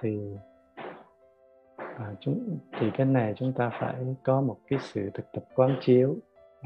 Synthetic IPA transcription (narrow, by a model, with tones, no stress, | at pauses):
t̪ʰi˨˩ | ʔəː˨˩t͡ɕʊ˨˦ŋ͡mt̪ʰi˨˩ka˨˦na˨˩jt͡ɕʊ˨˦ŋ͡mt̪aː˧fa̰ː˧˥˩jkɔ˨˦mo˨˩t̚kaː˨˦jsɨ̰˧˨t̪ʰɨ˨˩k̚t̪ə˨˩p̚kwaː˨˦nt͡ɕi˨˦əw